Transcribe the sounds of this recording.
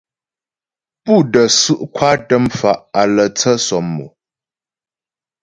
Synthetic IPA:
pu˦˨də˨sʉ˦ʔkʰwa˦tə˦mfa˨ʔa˨lə˨t͡sə˦sɔ˨mːṵ˨

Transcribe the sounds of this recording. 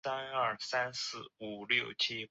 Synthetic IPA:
a˥nɐ˞˥˩sa˥nsɹ̩˥˩u˨˩ljo˥˩ʊt͡ɕʰi˥

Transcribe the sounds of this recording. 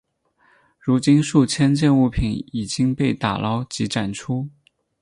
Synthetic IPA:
ɻu˧˥t͡ɕi˥nʂu˥˩t͡ɕʰjɛ˥nt͡ɕjɛ˥˧nu˥˩pʰi˧˥ni˨˩t͡ɕi˥ŋpe˥˩ɪt̪a̰˨˩lʔɑ˥ʊt͡ɕi˧˥ʈ͡ʂa˨˩nʈ͡ʂʰu˥

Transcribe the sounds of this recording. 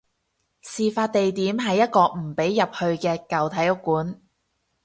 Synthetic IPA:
siː˨˩faː˧t̚t̪e˨jt̪iː˨˥mɦɐ˨jːɐ˥t̚kɔː˧m̩˨˩pe˨˥jːɐ˨p̚hɵ˧ɥkɛː˧kɐ˨wt̪ʰɐ˨˥jʊ˥kːuː˨˥n

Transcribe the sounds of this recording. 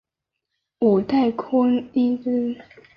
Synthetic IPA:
u˨˩t̪a˥˩ɪkʰʊ˥ŋi˥nt͡s̩˥

